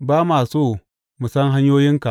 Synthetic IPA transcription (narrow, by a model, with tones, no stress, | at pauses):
baː˦maː˨soː˦ | mu˨sɐ˦ŋɦa˦ɲjoː˦jɪ˦ŋka˨ʔ